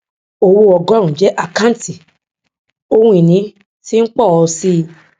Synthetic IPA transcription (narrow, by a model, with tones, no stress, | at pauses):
o˧wo˧ɔ˧˨ɡɔ˦ɾ̃ũ˨d͡ʒɛ˨˦ʔa˨kã˦n˦ti˨ | o˦wũ˦i˨nĩ˨˦ | ti˦n̩˦k͡pɔ˦˨ɔ˧si˦˧